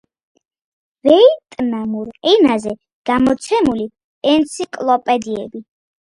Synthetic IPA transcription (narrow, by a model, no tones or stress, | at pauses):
ɾɛit̪ʼnamuɾɛnazɛ | ɡ̥amɔt̪sʰɛmuli | ɛnt̪sʰikʼlˠɔpʼɛd̪iɛbi